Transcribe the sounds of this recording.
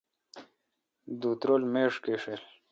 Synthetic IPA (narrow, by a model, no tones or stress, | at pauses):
d̪uːt̪ɾoːlmeːʂkeːʂeːl